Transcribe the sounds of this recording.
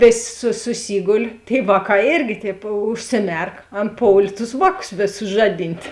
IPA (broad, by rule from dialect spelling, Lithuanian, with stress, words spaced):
ˈʋʲeːsʲ sʊ sʊˈsʲiːɡoːlʲ tʲeːɪ ˈʋɑːˌkɑː ˈeːrʲɡʲɪ tʲɛːp ʊʃʲsʲɪˈmʲɛrk ˈɐn ˈpoːʊlʲeː tʊs ˈʋɑːˌkʊs ˈʋʲeːˌsʊs ˈʒɑːˌdʲɪnʲtʲ